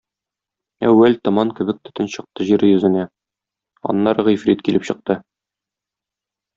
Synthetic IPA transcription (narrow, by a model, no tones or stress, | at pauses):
æ̰wːælt̪ŏmɑnkɘ̆bɘk̚t̪ɵ̥̆t̪ɘnɕɤ̆q̚t̪ɤʑiɾɘjɵ̆zɘ̆næ | ɒ̰nːɑɾʁɤ̆jfɾit̪kilɘpɕɤ̆q̚t̪ɤ